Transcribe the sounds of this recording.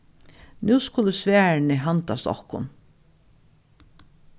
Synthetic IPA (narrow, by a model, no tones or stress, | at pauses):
nuːskʊləsʋæːɹɳɪɦant̪a̰st̪ɔ̰hkʊ̰n